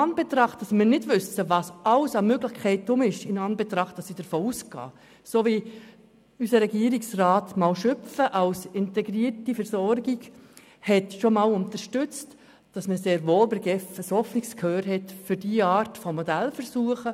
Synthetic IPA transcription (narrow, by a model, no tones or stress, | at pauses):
ɑnb̥ɛtɾɑχtɑsmɪːɾnɪdʋʏsəʋɑːsɑlsɑmøɡlɪxkʰɛɪtːʊmɪʃɪnɑnbɛtɾɑχt̚dɑsid̥əɾfoːusɡɑ̰ː | soːvi | ysəɾɛɡiəɾiksrɑːtmɑːlʃʏfəʔɑwsɪntɛɡɾiːɾtifəɾsɔɾɡiɡ | hɛtʃomɑːlʊntəɾʃtʏt͡st | d̥ɑsməseːɾvoːlbɪɾɡɛfəshɔfnikskʰhøːɾɦɛtfʏɾd̥iəɑːɾtfɔmɔdælfəɾsuəχə